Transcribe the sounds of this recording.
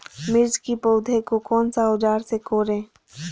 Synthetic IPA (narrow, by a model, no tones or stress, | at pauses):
mɪɾd͡ʒkipoːd̪ʱekokɔːnsaʊd͡ʒaːɾsekoːɾẽː